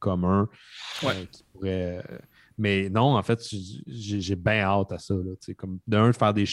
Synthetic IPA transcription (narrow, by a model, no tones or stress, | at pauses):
kɔmɜ̃wkʲi̥puʁɛ | mɛnɔ̃ɑ̃fɛt̪ʃʒeʒebɛ̃ɑːt̪asʌlʌt͡sekʌmd̪əœ̃d̪fæːʁd̪eʃ